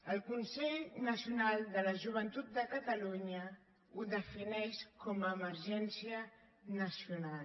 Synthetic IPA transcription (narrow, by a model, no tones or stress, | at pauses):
əlˠkunsɛʎnəsiunalˠd̪ələʒuβ̞ənt̪ut̪̚d̪əkət̪əluɲə | uðəfinɛʃkɔməːməɾʒɛnsiə | nəsjunal